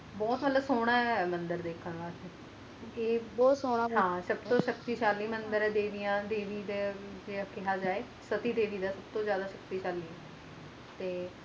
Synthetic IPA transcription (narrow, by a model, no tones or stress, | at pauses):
bɔːt̪məlləsoːɽ̃aːɛmənd̪əɾd̪eːkʰːənʋaːtɛ | eːbɔːsoːɽaːɦãːsəbt̪õːʃək̚t̪iːʃaːliːmənd̪əɾɛːd̪eːʋijãːd̪eːʋiːd̪eːd͡ʒeaːkɪɦaːd͡ʒaːeː | sət̪iːd̪eːʋiːd̪aːsəbt̪õːzjaːd̪aːʃək̚t̪iːʃaːliːɛ | t̪eː